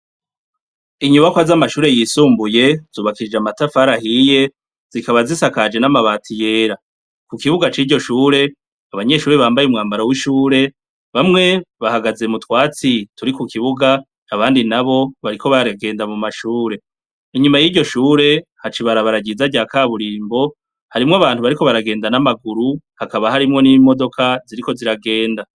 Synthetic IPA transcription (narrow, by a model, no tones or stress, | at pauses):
iɲuβakwazamaʃuːɾe̞jiːsuːmbuje̞z̥uːβakid͡ʒeamatafaɾahije̞ | z̥ikaβazisakad͡ʒe̞namaβaːtʰije̞ːɾa | kukiβuɡat͡ʃiːɟo̞ʃuːɾe̞ | aβaɲe̞ʃuːɾe̞βaːmbajumŋaːmbaɾawiʃuːɾe̞ | βamŋe̞βahaɡaze̞mutwaːt͡situɾikukiβuɡaː | βaːndinaβo̞βaɾiko̞βaɾaɡe̞ːndamumaʃuːɾe̞ | iɲumajiːɟo̞ʃuːɾe̞hat͡ʃiβaɾaβaɾaɟizaɟaːkaːβuɾiːmbo̞ | haɾimŋaβaːn̥huβaɾiko̞βaɾaɡe̞ːndanamaɡuɾuhakaβahaɾimŋo̞nimo̞do̞kʰaziɾiko̞ziɾaɡe̞ːnda